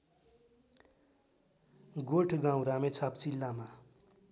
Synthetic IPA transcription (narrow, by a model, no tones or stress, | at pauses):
ɡoʈʰɡãw̃ɾamet͡sʰapt͡silːama